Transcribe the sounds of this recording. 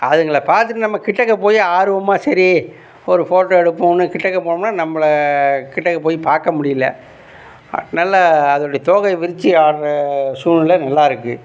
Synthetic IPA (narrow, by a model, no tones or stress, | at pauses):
ɐðɯŋɡɐɭɐpaːɾt̪ɯʈːɯnɐmːɐkɪʈːɐkːɐpoːjiaːɾɯʋɐmaːsɐɾi | ɔɾɯfoːʈːɐɛɽɯpːʊ̃nɯkɪʈːɐkːɐpoːɳʊmnaːnɐmːɐɭɐkɪʈːɐkːɐpoːjipaːɾkɐmʊɽɪjɪlɐ̰ | ɐ̰ðɐnaːlɐɐðɐːɽɐjɐt̪oːɣɐɪʋɪɾɪt͡ʃːiaːɽɾɐsuːnɪlɐnɐlːaːɪɾɯkːɯ